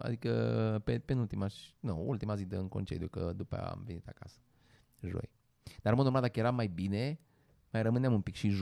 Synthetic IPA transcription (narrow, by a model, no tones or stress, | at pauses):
a̰d̪ikəpepenult̪imaʃnuṵlt̪imazid̪əɨŋko̞̰nt͡ʃḛd̪jukə̰d̪upə̰a̰mvenit̪akasə̥ | ʒo̞̰j | d̪̥aɾɨmod̪omald̪akəje̞ɾamːajbine̞ | majɾəmɨneamumpikʃiʒ